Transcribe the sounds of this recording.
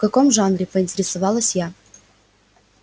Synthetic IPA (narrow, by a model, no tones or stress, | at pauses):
kɐko̞mʐanɾʲɪpəɪnʲtʲɪɾʲɪsɐvɑlˠəsʲja